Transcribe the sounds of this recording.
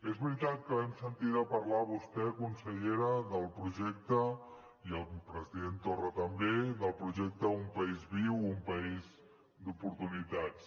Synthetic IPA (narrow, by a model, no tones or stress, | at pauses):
ezβɾit̪at̪̚kəβɛmsənt̪iɾəpəɾlaβust̪ɛkunsəʎeɾəðəlˠpɾuʒɛk̚t̪ə | iəlˠpɾəziðent̪orət̪əmbeðəlˠpɾuʒɛk̚t̪əumpəizβiwumpəiz | d̪upuɾt̪unit̪at͡s